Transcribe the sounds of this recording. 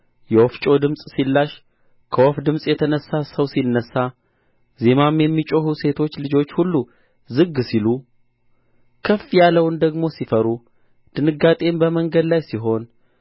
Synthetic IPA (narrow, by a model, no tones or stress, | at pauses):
jɛwɔft͡ʃʼo̞d̪ɨmsʼsilːaʃ | kʰəwɔfd̪ɨmsʼjɛt̪ʰənəsːasəwsinːəsːa | ze̞mamjɛmːit͡ʃʼohuse̞t̪ʰo̞t͡ʃːlɨd͡ʒo̞t͡ʃːhulːu | zɨɡsilu | kʰəfːijalːəwnd̪əɡmo̞sifəɾu | d̪̥ɨnɨɡːat̪ʼe̞mbəməŋɡəd̪lajsiɦo̞n